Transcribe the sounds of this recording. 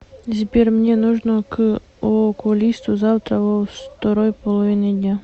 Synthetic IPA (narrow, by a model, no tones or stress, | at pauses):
zʲbʲerʲmnʲenuʐnok | okʊlʲist̪ʊzawt̪ɾɐvost̪ɐɾojpɔlˠɐvʲinɨd̪ʲnʲa